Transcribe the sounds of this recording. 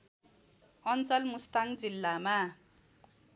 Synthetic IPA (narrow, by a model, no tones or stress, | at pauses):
ʌnt͡sʌlmust̪aŋd͡zilːama